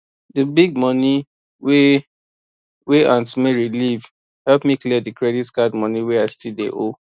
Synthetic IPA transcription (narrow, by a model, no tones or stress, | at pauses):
dəbiɡ̚mɔni | we | weʔãntmeɹiliv | hɛlpmikliədəkɹɛditkadmɔniwɛaɪstidḛʔo